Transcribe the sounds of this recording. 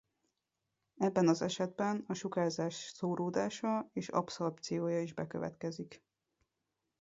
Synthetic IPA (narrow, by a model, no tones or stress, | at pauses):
ɛbːɛnɒzɛʃɛd̪̚bɛnɒʃukaːzaːʃsoːɾoːd̪aːʃɒeːʃɒ̰psorpt̪sijoːjɒiʒbɛkø̰vɛ̰t̪kɛzik